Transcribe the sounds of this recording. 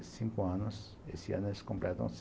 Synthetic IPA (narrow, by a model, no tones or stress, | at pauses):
siŋkoanos | ḛsia̰neskompɾet̪õ̰ns